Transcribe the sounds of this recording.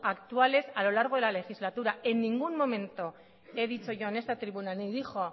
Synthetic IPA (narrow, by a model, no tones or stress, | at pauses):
akt̪uale̞salo̞laɾɣ̞elale̞xizlat̪uɾae̞nːiŋɡumːo̞mẽ̞nt̪o | eðit͡so̞ʝoane̞st̪at̪ɾiβunaneðixo̞